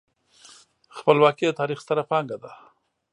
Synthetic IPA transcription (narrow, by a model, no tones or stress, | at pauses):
xpəlwɑkid̪ət̪ɑɾixst̪aɾapɑŋɡad̪a